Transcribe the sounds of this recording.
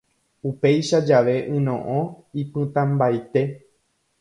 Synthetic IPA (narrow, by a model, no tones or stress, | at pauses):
upe̞jʃad͡ʒaʋe̞ʔɨ̃nõʔõ | ipɨ̃t̪ãmbajt̪e̞